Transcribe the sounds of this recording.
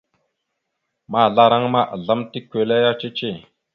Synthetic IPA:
ma˦˨ɮa˦ɾa˦ŋma˦˨ʔə̰˨ɮa˦mti˦kʷːe˨le˦ja˦t͡ʃe˦t͡ʃe˦˨

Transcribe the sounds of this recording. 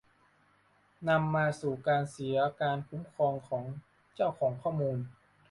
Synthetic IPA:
na˧mːaː˧suː˨˩kaː˧nsi˩˦ɐkaː˧nkʰu˩˦˥mkʰɔː˧ŋkʰɔː˩˦ŋ | t͡ɕa˥˩wkʰɔː˩˦ŋkʰɔː˥˩muː˧n

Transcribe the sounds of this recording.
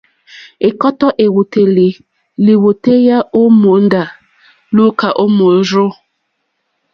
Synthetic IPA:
e˨kɔ˦tɔ˦ʔe˨wu˨te˨li˨ | li˨wu˨te˦ja˦o˦mo˨˦n̩˦da˨ | lu˦ka˨ʔo˦mo˨˦ɾʊ˦

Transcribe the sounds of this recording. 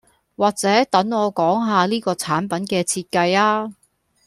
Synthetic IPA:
waː˨˩k̚t͡sɛː˨˥t̪ɐ˨˥ŋɔː˨˧kɔː˨˥ŋɦaː˨˧liː˥kɔː˧t͡sʰaː˨˥npɐ˨˥nkɛː˧t͡sʰiː˧t̚kɐ˧jaː˥

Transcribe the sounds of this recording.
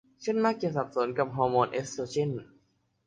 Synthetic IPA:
t͡ɕʰe˥˩˨nmaː˥˩k̚t͡ɕa˨˩sa˨˩p̚so˩˦nka˨˩p̚ɦɔː˧moː˧nʔe˦˥stoː˧t͡ɕʰi˥˩˨n

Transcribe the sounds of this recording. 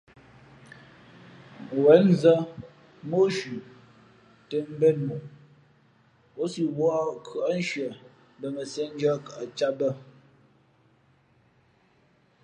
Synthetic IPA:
wɛ˨˦n˦zə˦ | mo˦ʃʉ˨ | te˦m̩˦bɛ˦˨nmo˨ | o˦si˦wɔ˦kʰɯ˨a˦n̩˦ʃɥə˨ | bə˨mə˨se˦n̩˦d͡ʒɔ˦kʔa˨t͡ʃa˦bə˦

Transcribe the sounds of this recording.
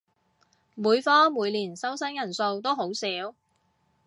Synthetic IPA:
muː˨˧jfɔː˥muː˨˧jliː˨˩nsɐ˥wsɐ˥ŋjɐ˨˩nso˧wt̪̬o˥wɦo˨˥wsiː˨˥w

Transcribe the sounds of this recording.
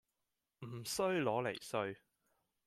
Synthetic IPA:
m̩˨˩sɵ˥ɥlɔː˨˥le˨˩jsɵ˧ɥ

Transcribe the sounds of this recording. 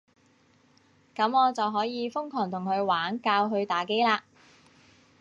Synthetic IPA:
kɐ˨˥mɔː˨˧t͡sɐ˨wɦɔː˨˥jiː˨˧fʊ˥ŋkʰɔː˨˩ŋt̪ʰʊ˨˩ŋkʰɵ˨˧ɥwaː˨˥nkaː˧wɦɵ˧ɥt̪aː˨ke˥jlaː˧

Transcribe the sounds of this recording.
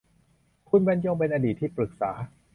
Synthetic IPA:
kʰu˧nbɛ˧˦nt͡ɕoː˧ŋp̬e˧nʔaː˧diː˨˩t̪ʰːiː˥˩pɾɯ˨˩k̚saː˩˦

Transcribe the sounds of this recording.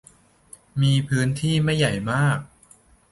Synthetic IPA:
miː˧pʰɯː˦˥nt̪ʰiː˥˩ma˥˩jːa˨˩jmaː˥˩k̚

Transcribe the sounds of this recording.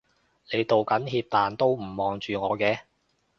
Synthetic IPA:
le˨˧jt̪o˨wkɐ˨˥nɦiː˧p̚t̪aː˨nt̪o˥wm̩˨˩mɔː˨ŋt͡ʃyː˨ŋɔː˨˧kɛː˧

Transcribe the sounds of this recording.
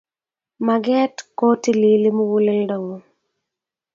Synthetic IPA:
ma˨ɡɛ˦tko˦ti˦li˦li˦mu˦wu˦lɛ˦lda˨wo˨˦

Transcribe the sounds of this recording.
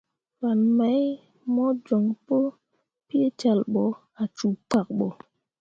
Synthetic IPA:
ɾa˨nma˦j | mɔ˦d͡ʒɔ˨ŋpo˦ | pi˦e˦t͡ʃa˨lɓɔ˨ | a˨t͡ʃu˨k͡pa˨k̚ɓɔ˨

